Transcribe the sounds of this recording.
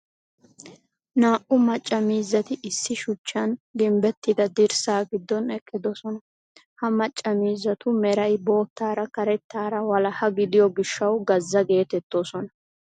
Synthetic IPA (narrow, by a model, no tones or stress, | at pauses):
naːʔʊmɐt͡ʃʼːɐmiːzːɐt̪ɪʔɪsːɪʃʊt͡ʃːɐnɡ̪ɪmbɛt̪ːɪd̪ɐd̪ɪɾsaːɡɪd̪ːɔnɛkʼːɪd̪ɔsɔnɐ | hɐmɐt͡ʃʼːɐmiːzːɐt̪ʊmɛɾɐjbo̞ːt̪ːaːɾɐkɐɾɛt̪ːaːɾɐwɐlɐhɐɡɪd̪ɪjɔɡɪʃːɐwɡɐzːɐɡe̞ːt̪ɛt̪ːoːsɔnɐ